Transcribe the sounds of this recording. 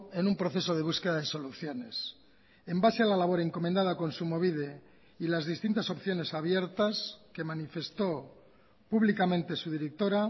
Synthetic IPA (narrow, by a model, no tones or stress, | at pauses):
enumpɾoθe̞so̞ðe̞β̞uske̞ðaðeso̞luθjo̞ne̞s | embasealalaβ̞o̞ɾeŋko̞mend̪aðako̞nsumo̞βiðe | ilazðist̪int̪aso̞pθjo̞ne̞saβje̞ɾt̪aske̞manife̞st̪o̞ | puβlikamẽ̞nt̪e̞suð̞iɾek̚t̪o̞ɾa